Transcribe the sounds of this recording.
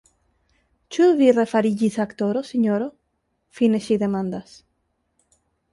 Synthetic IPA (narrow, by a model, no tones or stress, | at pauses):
t͡ʃuðβirefaɾiʝisakt̪oɾosiɲoɾo | fineʃiðemãnd̪as